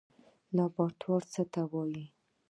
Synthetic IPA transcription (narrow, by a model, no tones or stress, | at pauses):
lɑbɑʈ̪ʰwɑɾt͡sət̪awɑji